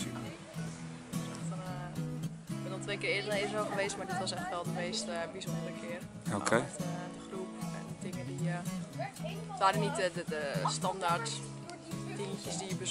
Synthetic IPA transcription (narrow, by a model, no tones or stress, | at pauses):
ɔsɛxtn | ɪkbɛndɔltʋeːkɪːrɪədənedərɔlˠɣəʋeːsmaɹdɪtʋɔsɛxtʋɛlˠdəmeːstəbizoələkʰɪər | okʰedəxrupɛ̰nətɪŋədiə | tʋaːdənitədədəstɑndartː | intjəsdijəbəs